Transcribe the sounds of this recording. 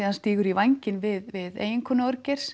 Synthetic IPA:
iðhanst̪iːɣʏɾivajɲcɪnvɪðvɪðḛːjɪŋkʰɔːnaœɾcɛɾ̥s

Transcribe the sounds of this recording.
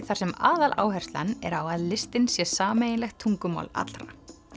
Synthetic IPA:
θaɾ̥sɛma̰ːðalʔa̰ːwɦɛrst̪lanːɛ̰ɾawaðlɪst̪ɪnsjɛsaːmeːjɪnlɛxt̪ʰuŋkʏma̰ːwla̰t̪lɾa

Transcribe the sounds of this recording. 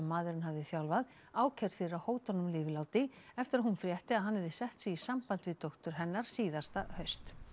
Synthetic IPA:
ɛmːaːðʏɾɪnɦavðɪθjawlvað | aːwcʰɛɾ̥fejrahoːwt̪ɔnʏmlɪːvɪlaːwt̪ɪɛft̪ɪɾaðɦunfɾjɛht̪ɪaðɦanhɛvðɪsɛht̪siisampant̪vɪðt̪owht̪ʏɾ̥ɦɛnːaɾ̥siːðḁst̪ahœɥst̪

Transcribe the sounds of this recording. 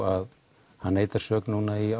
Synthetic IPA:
að | hanːeːjt̪aɾ̥sœːknuːnaia

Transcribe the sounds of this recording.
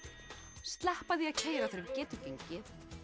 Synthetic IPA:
st̪lɛhpaðiacʰeːjɾaθeɾcɛːt̪ɪfiɲcɪ

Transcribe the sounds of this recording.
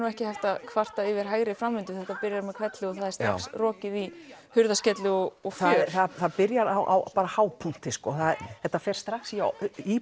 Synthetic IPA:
nuɛhcɪhaft̪aðkʰvar̥t̪aɪvɪɾ̥ɦaːjɾɪfɾamːʏnt̪ʏθɛht̪ːapɪɾjaɾmɛkʰv̥ɛt̪lɪɔθaðɛɾst̪ɾa̰ksrɔːcɪðihʏɾðascɛt̪lɪɔɔɣfθaθaðθaðpɪɾjaɾa̰wʔa̰wpaːɾahaːwpʰun̥t̪ɪskɔːθaðɛht̪ːafɛːɾ̥st̪ɾaksii

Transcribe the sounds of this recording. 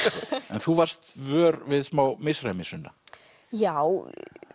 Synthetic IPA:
ɛnθuvar̥st̪vœːɾvɪðsmaːwmɪsramɪsʏnːa | jaw

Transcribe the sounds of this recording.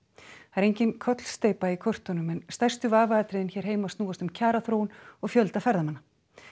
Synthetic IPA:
aɾejɲcɪnkʰɔt̪l̥st̪eːjpaikʰɔr̥t̪onʏmɛnst̪ajrst̪ʏvaːvaːt̪ɾɪðɪnçɛːɾ̥ɦeːjmast̪nuːɣast̪ʏmcʰaːɾaθɾoːwʏnɔɣfjœlt̪afɛɾðamanːa

